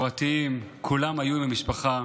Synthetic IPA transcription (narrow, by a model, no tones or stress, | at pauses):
ʁat̪iimkʰulamajubemiʃpaχa